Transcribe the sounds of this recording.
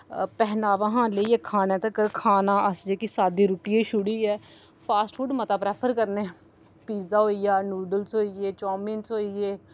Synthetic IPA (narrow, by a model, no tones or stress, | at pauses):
pɛɦnaːʋãːɦãːləiːɛːkʰaːnɛ̃ːt̪ãkəɾkʰaːnaːʔəsd͡ʒeːkisaːd̪iːɾupɪjẽːʃʊɽiːɛː | pʰaːsʈfuːɖmət̪aːpɾɛːpʰəɾkəɾneɛː | piːzaːɦoːijaːnuːɖəlsɦoːieːt͡ʃɔːmiːnsɦoːiːeː